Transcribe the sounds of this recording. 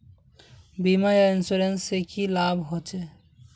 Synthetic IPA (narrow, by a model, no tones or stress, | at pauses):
bimajainsuɾensekilabʱɦot͡ɕʰe